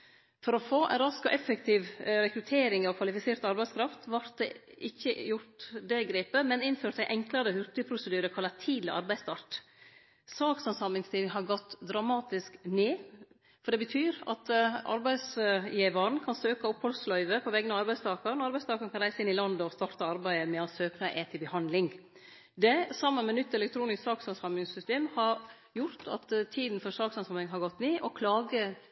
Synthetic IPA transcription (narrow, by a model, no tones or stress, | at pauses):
fɔɾɔfoːʔɛ̰nɾɑskɔʔɛfəkt̪ʰiːʋɾɛkɾʉt̪ʰeːɾɪŋɑʋkʰʋɑlɪfɪseːɾt̪ɑɾbæɪskʰɾɑft̪ʋɑɾt̪̚d̪ɛ̰ʔɪçːəjʊɾʈ̪d̪ɛɡɾeːpəmɛnɪnføːɾʈ̪æɪʔɛŋklɑɾəhʉɾt̪ʏpʰɾʊsəd̪yːɾəkʰɑlːɑt̪ʰiːd̪əʔɑ̰ɾbæɪst̪ʰɑɾʈ | sɑːksɔmsɑmɪŋst̪ʰiːlŋɦɑɾɡɔt̪ːd̪ɾɑmɑːt̪ɪskneː | fɔɖɛbət̪ʰyːɾɑ̰t̪ɑ̰ɾbæɪsjeːʋɑɾn̩kʰɑnsøːkɑʊphɔlslœʏʋəpʰɔʋɛɡənɑʋɑɾbæɪst̪ʰɑːkɑɾnɑɾbæɪst̪ɑːkəɾkɑnɾæɪsəɪnɪlɑnd̪əɔst̪ɑɾt̪əɑɾbæɪəmɛɔsøːknɑʔeːt̪ʰɪlbəhɑnd̪lɪŋ | d̪ɛsɑmːənmɛnʏt̪ːɛlɛk̚t̪ʰɾuːnɪst̪sɑːksɑnsɑmɪŋsʏst̪eːmhɑɾ | jʊɾt̪ʰɑ̰t̪t̪ʰːiːd̪n̩fɔɾsɑːksɑnsɑmɪŋɦɑɾɡɔt̪ːneːʔɔkʰlɑːɡə